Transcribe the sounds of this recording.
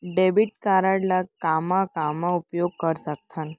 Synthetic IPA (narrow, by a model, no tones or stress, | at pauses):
ɖebiʈkaɾaɽlakamãkamaupjoɡ̚kəɾsək̚t̪ʰan